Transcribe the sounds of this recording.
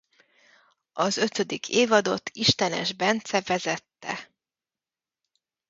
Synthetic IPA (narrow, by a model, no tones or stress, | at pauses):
ɒzø̞t̪ø̞d̪ikʰeːvɒd̪o̞t̪ʰːiʃt̪ɛnɛ̰ʒbɛnt̪sɛvɛzɛt̪ːɛ̰